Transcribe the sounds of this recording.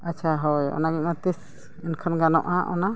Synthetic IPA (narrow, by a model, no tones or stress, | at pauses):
at͡ʃʰaɦɔjɔ̰naɡɛʔ̚mat̪is | inkʰanɡanɔʔaʔɔna